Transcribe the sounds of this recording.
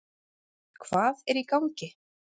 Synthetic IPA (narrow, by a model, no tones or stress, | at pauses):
kʰv̥aːðɛɾikawŋcɪ